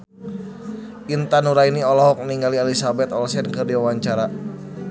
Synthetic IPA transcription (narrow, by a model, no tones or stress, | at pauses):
ʔint̪anuɾainiɔlɔɦɔk̚niŋɡalialisabɛt̪ɔlsɛnkɨrdiwawaɲt͡ʃaɾa